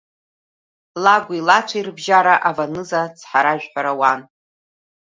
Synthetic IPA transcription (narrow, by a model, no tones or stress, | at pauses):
laɡʷilat͡ʃʷʰairbʒaɾaʔavanɨzat͡sʰħaɾaʒᶣħʷᶣaɾawan